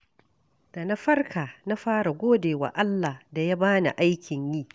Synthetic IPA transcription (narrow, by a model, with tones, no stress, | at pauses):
d̥a˨na˦ɸɐ˦rkʰaː˨na˦ɸaː˦ɽa˨ɡʷoː˦deː˨wa̰˨ʔa˦lːa˨hda˨ja˦baː˦na̰˨ʔa˦jkʲɪ˨ɲjiː˦